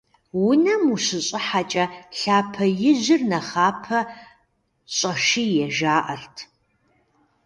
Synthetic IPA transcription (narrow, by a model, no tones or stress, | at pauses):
wʊnɐmuɕɪɕʼɪħat͡ʃʼɐɬaːpʰɐjɪʑɪrnɐχaːpʰɐ | ɕʼɐʃijɛʒaːʔɐrtʰ